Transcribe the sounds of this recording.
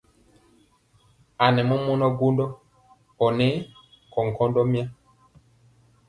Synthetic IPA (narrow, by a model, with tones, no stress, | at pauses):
a˨nɛ˨mɔ˦mɔ˦nɔ˦ɡu˦ndɔ˦ | ɔ˨nɛ˨˦ | kɔ˨ŋ˨kʰɔ˦ndɔ˦mi˦a˦